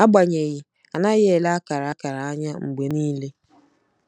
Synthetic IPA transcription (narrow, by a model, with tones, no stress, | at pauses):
a˦ɡ͡ba˨ɲe˨ɣɪ˨ | a˨na˦ɣɪ˦e˨la˦a˦ka˨ɾa˨a˦ka˨ɾa˨a˦ɲa˦ŋ͡m̩˨ɡ͡be˨niː˦le˦